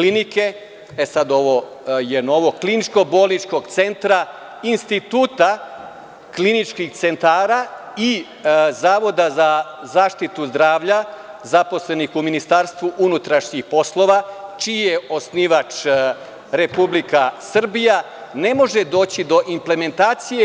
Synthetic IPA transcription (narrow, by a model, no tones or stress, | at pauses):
klinike̞ | esad̪o̞ʋo | jeno̞ʋo̞klinit͡ʃko̞bo̞ːlˠnit͡ʃko̞ɡt̪se̞nt̪ɾa | inst̪it̪uːt̪a | klinit͡ʃkixt̪se̞nt̪aːɾa | i | zaːʋo̞d̪azazaːʃt̪it̪uzd̪ɾaːʋʎazapo̞sle̞nixuminist̪aɾst̪ʋuʔunut̪ɾaʃɲixpo̞slˠo̞ʋat͡ʃijeo̞sniːʋat͡ʃ | ɾe̞publikasr̩bija | ne̞mo̞ʒe̞d̪o̞ːt͡ɕid̪o̞ʔimple̞me̞nt̪aːt̪sije